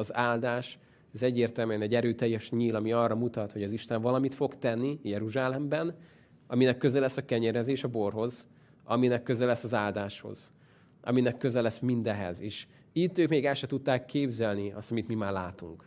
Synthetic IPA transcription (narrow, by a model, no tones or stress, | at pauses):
ɒzaːld̪aːʃ | ɛzɛɟːeːrt̪ɛlmyɛnɛɟːɛɾøːt̪ɛjːɛʃɲiːlɒmiɒːrɒmut̪ɒt̪ho̞ɟɒziʃt̪ɛɱvɒlɒmit̪fo̞kt̪ɛnːijɛɾuʒaːlɛmbɛn | ɒminɛkːøzɛlɛsːɒkɛɲɛɾɛzeːʃɒbo̞rɦo̞z | ɒ̰minɛkːøzɛlɛsːɒzaːld̪aːʃho̞̰z̥ | ʔɒ̰minɛkːøzɛlɛsmind̪ɛɦɛ̰zeːʃ | iːt̪ːøːkmeːɡɛlʃɛt̪ut̪ːaːkʰːeːbzɛlniɒst̪ɒmit̪mimaːrlaːt̪ṵŋk